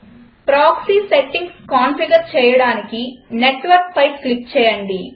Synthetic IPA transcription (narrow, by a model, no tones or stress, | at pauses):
pɾaːksiːseʈːiŋɡskaːnpiɡɐɾt͡ʃɛːjɐɽaːnikineʈːʋɐɾkpʰɐjklip̚t͡ʃɛːjɐɳɖi